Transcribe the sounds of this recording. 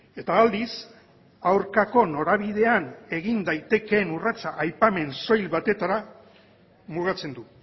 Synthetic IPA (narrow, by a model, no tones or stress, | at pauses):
e̞t̪aːld̪is | awɾkako̞no̞ɾaβ̞ið̞e̞ane̞ɣind̪ajt̪e̞ke̞nurat͡saʔajpame̞nso̞jlβat̪e̞t̪aɾa | muɣ̞at͡se̞nd̪u